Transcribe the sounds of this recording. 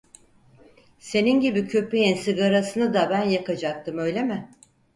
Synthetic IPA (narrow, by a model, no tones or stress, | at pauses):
se̞ninɟibicʰø̞pejinsiɡaɾasɯnɯd̪abænjakad͡ʒak̚t̪ʰɯmø̞jlʲemɪ